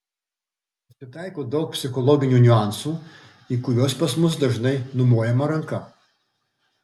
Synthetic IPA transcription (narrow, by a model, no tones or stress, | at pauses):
sʲɪt̪ɑˑɪkoːd̪ɒʊk̚pʲsʲɪxɔlˠɔɡʲɪnʲuːnʲʊɑˑnsuː | iːkʊʋʲoːspɐsmʊs̬d̪ɐʒnɐɪnʊmuːjɛmɐɾɐŋkɐ